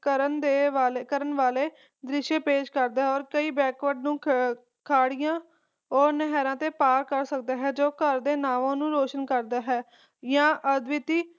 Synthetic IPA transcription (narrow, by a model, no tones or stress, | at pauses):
kəɾənd̪eːʋaːlekəɾənʋaːleː | d̪ɾɪʃeːpeːʃkəɾd̪aːɦɛɔːɾkəiːbɛːkʋəɖnũː | kʰaːɽɪjãː | ɔːɾnəɦɛɾãːt̪eːpaːɾkəɾsək̚d̪aːɦɛːd͡ʒoːkəɾd̪eːnaːʋõːnũːɾoːʃənkəɾd̪aːɦɛː | jãːʔəd̪ʋɪt̪iː